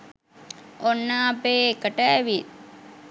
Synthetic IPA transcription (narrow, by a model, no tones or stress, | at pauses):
onːaːpeːekəʈəæʋi